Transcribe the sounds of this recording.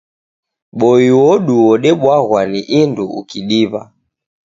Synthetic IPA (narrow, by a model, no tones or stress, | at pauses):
ɓɔiwɔɗuwɔɗɛɓwaɣwaniʔinduṵkiɗiβa̰